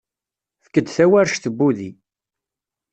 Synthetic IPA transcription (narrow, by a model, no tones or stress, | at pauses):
θə̥kːəd̪θæwæɾʃθəbːuði